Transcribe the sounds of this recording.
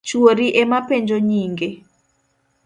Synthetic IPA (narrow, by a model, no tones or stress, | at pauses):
t͡ʃwoɾiʔemapeɲd͡ʒoɲiŋɡe